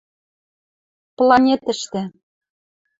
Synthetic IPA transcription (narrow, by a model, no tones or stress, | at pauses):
plɑnʲet̪ɘ̆ʃt̪ɘ̆